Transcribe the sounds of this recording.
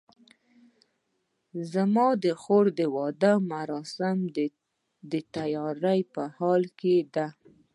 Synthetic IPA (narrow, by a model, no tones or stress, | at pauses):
zamɑd̪əxoɾd̪əwɑd̪əmaɾɑsɪm | d̪ət̪ajɑɾajpəhɑlked̪a